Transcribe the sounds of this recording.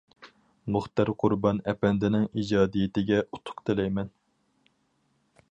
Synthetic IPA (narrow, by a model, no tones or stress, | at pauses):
moχt̪æɾqʰʊɾbɑnɛpɛnd̪ɪnɪŋid͡ʒɑːd̪ijɪt̪ɪɡʲɛu̥t̪ʰʊ̥qt̪ʰɪlɛjmɛn